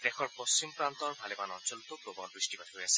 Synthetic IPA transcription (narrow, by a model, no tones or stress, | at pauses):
dɛxʰɔɹpost͡ɕimpɹant̪ɔɹbʱalebanɔɹzɔlt̪opɹobɔnbɹisʈibatɦojasɛ